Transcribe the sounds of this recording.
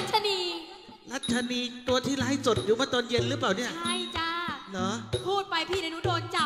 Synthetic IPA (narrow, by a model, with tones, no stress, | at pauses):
t̚t͡ɕʰa˧niː˧ | ɾa˦˥t̪̚t͡ɕʰa˧niː˧t̪u˧ɐt̪ʰiː˥˩la˧˦ɦa˥˩jso˨˩t̪̚juː˨˩maː˧˥˩t̪oː˧nje˧nɾɯ˦˥plaː˨˩wni˥˩ɐa˥˩jt͡ɕaː˥˩nɔ˦pʰuː˥˩t̪̚pa˧jpʰiː˥˩n˧nu˦˥doː˧nt͡ɕa˨˩